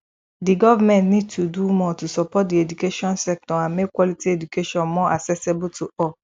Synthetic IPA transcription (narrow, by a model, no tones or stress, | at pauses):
diɡɔvamɛ̃ntnĩd̚tʰudumɔtusɔpɔt̚diedukeʃɔ̃nsɛk̚tɔãnmekwɔlitiedukeʃɔ̃nmɔ̃ʔaksɛsebutʰuɔ